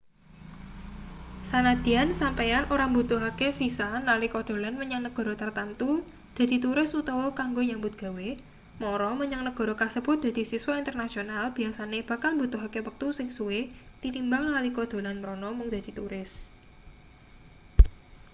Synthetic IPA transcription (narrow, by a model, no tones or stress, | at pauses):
sanad̪̥i̤ansampejanʔoɾambut̪uɦakefisanalikɔd̪̥o̤lanməɲaŋnəɡ̥ɔ̤ɾɔt̪ərt̪ant̪u | d̪̥a̤d̪̥i̤t̪uɾɪsut̪ɔwɔkaŋɡoɲambʊt̪̚ɡ̥a̤we | mɔɾɔməɲaŋnəɡ̥ɔ̤ɾɔkasəb̥ʊt̪̚d̪̥a̤d̪̥i̤siswaint̪ərnasionalb̥i̤asaneb̥a̤kalmbut̪uɦakewək̚t̪usɪŋsuwɪ | d̪̥it̪imbaŋlalikod̪̥o̤lanməɾonɔmʊŋd̪ad̪̥i̤t̪uɾɪs